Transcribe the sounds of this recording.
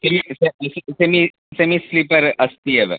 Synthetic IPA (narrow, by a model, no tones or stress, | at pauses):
semisessemi | semislipɐɾɐst̪iɐʋḛ